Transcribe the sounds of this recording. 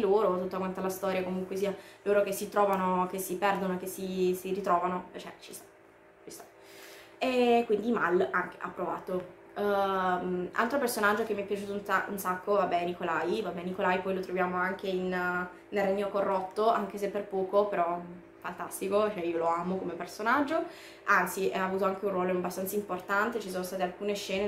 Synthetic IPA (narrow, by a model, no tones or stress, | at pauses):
loːɾot̪ut̪ːoakwant̪alast̪ɔːɾjakomuŋkwesialoːɾok̟esːit̪ɾɔːvanok̟esːipɛrd̪onoek̟esːisiɾit̪ɾɔːvanot͡ʃɛ̰t͡ʃist̪ḁ | t͡ʃist̪a | ekːwind̪imalaŋk̟e̥ʔa̰pːɾova̰ːt̪o | mʔa̰lt̪ɾopersonad͡ʒːokemːiɛpːjat͡ʃuːt̪ounaṵnsakːovabːɛnikolajivabːɛnikolaːjpɔjlot̪ɾovjaːmoaŋk̟ein | nelrːeɲːokorːot̪ːoʔaŋk̟esepːerpɔːkopeɾɔ | fant̪ast̪ikot͡ʃoɛioloaːmokomepersonad͡ʒːo | ant̪siʔɛaːvuːt̪oaŋk̟eunrːwɔːloabːast̪ansaimport̪ant̪et͡ʃisoːnost̪aːt̪ealkuːneʃːɛːne